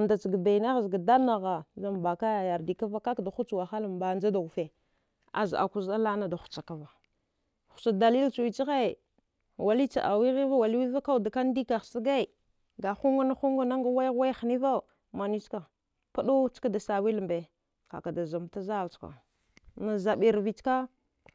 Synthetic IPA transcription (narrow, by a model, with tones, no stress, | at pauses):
nda˨t͡ʃi˨ɡa˨ba˨i˨na˦ɣzɡa˨da˦na˨ɣa˨za˨m˨ba˨ka˦ja˨ja˨ɾdi˨ka˦va˦ka˦kda˨xu˦t͡ʃwa˨xa˦la˨m˨ba˨nd͡ʒa˦da˨u˨fe˨ | a̰˨za̰˨ku˦za˦la˦na˦da˨xu̥˨t͡ʃa˨ka˨va˨ | xu̥˨t͡ʃa˨da˨li˦lt͡ʃu˨wi˨t͡ʃi˦ɣe˦˨ | wa˨li˦t͡ʃa̰˨ʔa̰˨wi˦ɣi˦va˦wa˨li˦wi˦va˦ka˦wda˨ka˦n˦di˦ka˨xsi˦ɡa˦i˨ | ɡa˨xu˦ŋɡa˦na˦xu˦ŋɡa˦na˦ŋɡa˦wa˦ɣwa˦jxni˦va˦˨ | ma˨ni˦ska˨ | pa˦du˦t͡ʃka˦da˨sa˨wi˦lmbe˨ | ka̰˨ka˨da˨za˨mta˦za˦˨lt͡ʃka̰˨ | na˨za˨ɓi˨ɾvi˨t͡ʃka˦